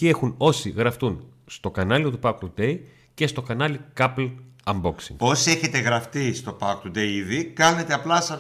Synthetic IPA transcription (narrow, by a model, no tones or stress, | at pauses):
ie̞xuno̞siɣɾɐft̪unst̪o̞kɐnɐliot̪upɐkt̪ud̪e̞j | ce̞st̪o̞kɐnɐlikɐplɐmboksḭŋo̞sie̞çe̞t̪e̞ɣɾɐft̪ist̪o̞pɐkt̪ud̪eiðikɐne̞t̪e̞ɐplɐsɐ